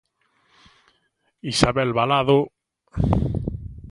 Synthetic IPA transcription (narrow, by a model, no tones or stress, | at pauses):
isaβɛlβalaðo